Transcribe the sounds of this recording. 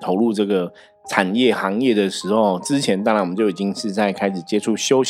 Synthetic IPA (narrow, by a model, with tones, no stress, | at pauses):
t̪ʰo˧˥ʊlu˥˧ʈ͡ʂɤ˥˩ɡə˩ | ʈ͡ʂʰa˨˩njɛ˥˩xɑ˧˦˥ŋjɛ˥˩d̪ə˩ʂɻ̩˧˥xo˥˧ʊt͡sɻ̩˦t͡ɕʰjɛ˧˦nt̪a˥ŋa˨˧˥wə˦t͡ɕjo˥˩ʊi˨˩t͡ɕi˦˥ŋʂɻ̩˥˧t͡sa˥˩ɪkʰa˥ɪʂɻ̩˨˩t͡ɕjɛ˥ʈ͡ʂʰu˥˩ɕjo˥ʊɕ